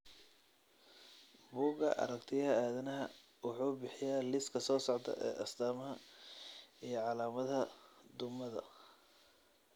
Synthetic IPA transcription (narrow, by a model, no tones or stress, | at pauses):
buːɡɐ̰ʔɐ̰ɾɐkt̪ʰɪjɐhɐaːðɐnɐɦɐ̰ | wɑħuːbɪħɪjaːlɪskʰɐsɔːsɔʕd̪ɐ̰ʔɛ̰ːʔɐsd̪aːmɐɦɐ | ijɞʕɑlaːmɐðɐd̪ʊmɐðɐ̰